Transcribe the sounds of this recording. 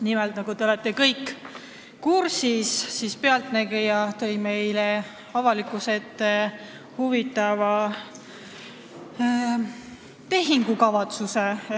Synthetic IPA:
nimelt̪nɑɡ̥ut̪e̞o̞let̪ːˑe̞kɤjkː | uɾsisːispeɑlt̪næɡ̥ejɑt̪ɤ̞jme̞jle | ɑvɑlikˑuse̞t̪ːˑe | huvit̪ːˑɑvɑ | t̪e̞ɦiŋɡukɑvɑt̪suse

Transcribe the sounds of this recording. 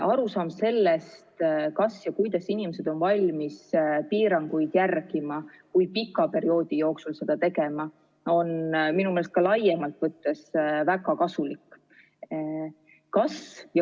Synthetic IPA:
ʔɑɾusɑːmse̞lːest̪kɑsjɑkujd̪̥ɑsinimese̞d̪̥o̞nvɑlʲmispiːɾɑŋɡujd̪̥jærɡ̥imɑkujpikːˑɑpe̞ɾio̞ːd̪̥ijo̞ːksulse̞d̪̥ɑt̪e̞ɡe̞mɑ | o̞nminumelest̪kɑlɑjːemɑlt̪vɤt̪ːe̞svæɡɑkɑsulikːˑ | kɑsjɑ

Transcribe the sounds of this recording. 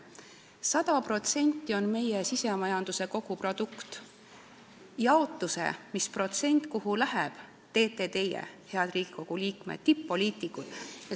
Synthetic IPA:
sɑd̪̥ɑpro̞t̪se̞nʲt̪ˑːio̞nme̞jesise̞mɑjɑnd̪̥use̞ko̞ɡ̥upro̞d̪̥ukt̪ | jɑot̪ˑːuse̞̰mispro̞t̪se̞nʲt̪ˑkuɦulæɦeb̥ | t̪e̞ːt̪ːe̞t̪e̞jḛhe̞ɑd̪riːɡ̥iko̞ɡ̥uliːkmḛt̪̚t̪ːipːo̞lʲiːt̪ˑikːud̪̥jɑ

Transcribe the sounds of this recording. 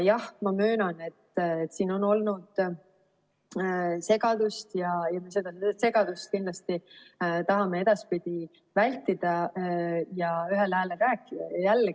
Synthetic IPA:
jɑhmɑmø̞ːnɑne̞t̪ːet̪ːsiːno̞no̞lnud̪̥ | se̞ɡ̥ɑd̪̥ust̪jɑjɑme̞s̬e̞d̪ɑsse̞ɡ̥ɑd̪̥ust̪̚kind̥̪lɑst̪it̪ɑɦɑme̞e̞d̪̥ɑspid̪̥ʲi | vælʲt̪id̪̥ɑ | jɑyɦelhæːlekæːkːijælː

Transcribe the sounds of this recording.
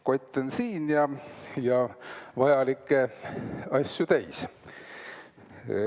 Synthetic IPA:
ko̞t̪ʲːˑensiːnjɑjɑvɑjɑlikːˑe | ɑsʲjut̪æjs

